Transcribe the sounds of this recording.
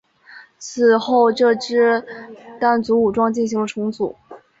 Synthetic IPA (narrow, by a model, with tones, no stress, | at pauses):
t͡sʰɹ̩˨˩xo˥˧ʊʈ͡ʂɤ˥˧ʈ͡ʂɻ̩˥t̪a˥˩nt͡su˧˥u˨˩ʈ͡ʂwɑ˥ŋt͡ɕi˥˩nɕi˧˥ŋlə˧ʈ͡ʂʰʊ˧˥ŋt͡sṵ˨˩˦